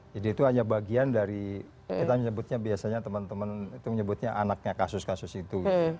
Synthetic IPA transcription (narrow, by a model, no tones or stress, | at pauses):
d͡ʒadiːt̪uaɲabaɡiandaɾi | kit̪aməɲəbʊt̪̚ɲabiasaɲat̪əmənt̪əmənit̪uməɲəbʊt̪̚ɲaʔanak̚ɲakasʊskasʊsit̪uɡ